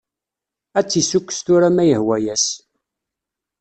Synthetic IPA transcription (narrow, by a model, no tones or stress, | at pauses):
æt͡sːisukːə̥st̪ʊɾamæjəhwæjæs